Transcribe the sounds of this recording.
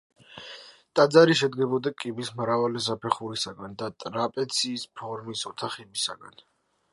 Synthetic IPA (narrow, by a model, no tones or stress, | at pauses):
t̪ʼad̪zaɾiʃɛd̪ɡɛbɔd̪akʼibismɾavalɛzapʰɛχuɾisaɡand̪at̪ʼɾapʼɛt̪sʰiːspʰɔɾmisɔt̪ʰaχɛbisa̰ɡa̰n